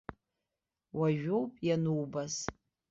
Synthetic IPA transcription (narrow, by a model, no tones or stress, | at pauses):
waʒᶣowpʼjanuwbaz